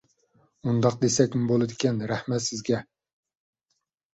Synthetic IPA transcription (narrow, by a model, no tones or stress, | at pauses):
und̪ɑq̚d̪esɛkʲmɪbolˠɨd̪ɪkʲɛnɾæhmɛt̪sɪzɡʲɛ